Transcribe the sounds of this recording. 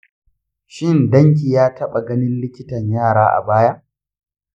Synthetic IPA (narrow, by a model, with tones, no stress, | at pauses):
ʃɪ˦ndɐ˦ŋk̬ʲiː˨jaː˦tʰɐ˦ɓa˨ɡɐ˦nɪ˦nlɪ˦kʲɪ˦tɐ˨ɲjaː˦˨ɾaː˦ʔa̰˨baː˦ja˦